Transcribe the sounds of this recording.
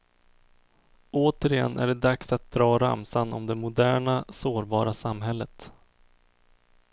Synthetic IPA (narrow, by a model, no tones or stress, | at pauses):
oːt̪əɾɪjɛ̰nːʔæ̰ɖɛd̪aksat̪̚d̪ɾɑːɾa̰msanɔ̰md̪ɛmʊd̪æːɳasoːɾbɑːɾasamɦɛlːət̪